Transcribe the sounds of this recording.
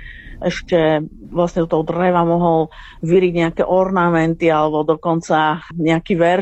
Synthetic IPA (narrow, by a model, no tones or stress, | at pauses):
ʔɛʃcɛ | ʋlasɲɛd̪ɔt̪ɔɦɔd̪rɛʋamɔɦɔl | ʋiɾiɟɲɛakɛʔɔɾnamɛnt̪ialɛbɔd̪ɔkɔnt͡saɲɛakiʋɛɾ